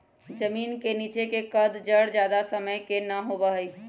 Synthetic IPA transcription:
d͡ʒəmiːnkeniːt͡ʃekekəd̪d͡ʒəɽd͡ʒjaːd̪asəməjkenəɦoːbəɦəi

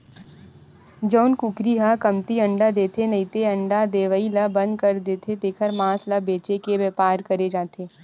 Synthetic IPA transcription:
d͡ʒəːnkʊkɾiɦakɐmt̪iɐ̃ɳɖad̪eːt̪ʰenɐit̪eɐ̃ɳɖad̪eːʋəilɐbɐ̃nd̪̚kɐɾd̪eːt̪ʰet̪eːkʰəɾmãːslɐbeːt͡ʃekebɛːpaːɾkɐɾed͡ʒaːt̪ʰeː

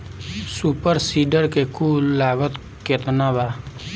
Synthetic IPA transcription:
supəɾsiːɖəɾkekuːlːaːɡət̪ | ket̪naba

